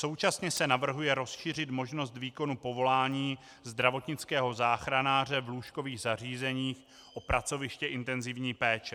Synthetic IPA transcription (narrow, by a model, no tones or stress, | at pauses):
so̞wt͡ʃasɲɛsɛnavr̩ɦujɛɾo̞sʃiːr̝ɪt̪mo̞ʒno̞st̪viːko̞nupo̞vo̞laːɲiː | zd̪ɾavo̞t̪ɲɪt͡skɛːɦo̞zaːxɾanaːr̝ɛvluːʃko̞viːɣzar̝iːzɛɲiːx | ʔopɾat͡so̞vɪʃcɛʔɪnt̪ɛnzɪvɲiːpɛːt͡ʃɛ